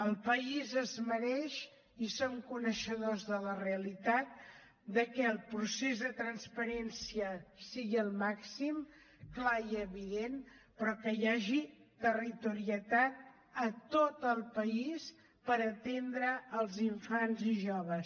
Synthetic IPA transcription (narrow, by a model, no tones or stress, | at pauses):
əlˠpəizəzməɾɛʃ | isoŋkunəʃəðozðələreəlit̪at̪̚ | d̪əkɛəlˠpɾusezðət̪ɾənspəɾɛnsiəsiɣiəlˠmaksim | klaiəβiðen | pɾɔkəjaʒit̪ərit̪uɾiət̪at̪̚ | ət̪ot̪əlˠpəis | pəɾət̪end̪ɾəːlˠziɱfanziʒoβəs